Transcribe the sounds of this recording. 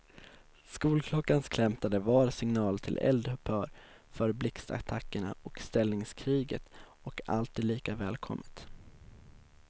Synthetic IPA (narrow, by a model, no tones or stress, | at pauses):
skuːlkʰlɔkːanskʰlɛmt̪ad̪əvɑːɾsɪŋnɑːlt̪ʰɪ̰lʔɛ̰ld̪hɵpʰœːɾ | fœɾblɪkst̪a̰t̪ʰakːəɳaɔkst̪ɛlnɪŋskʰɾiːɡə̰t̪ | ɔka̰lt̪ʰiːd̪liːkavɛːlkʰɔ̰mːət̪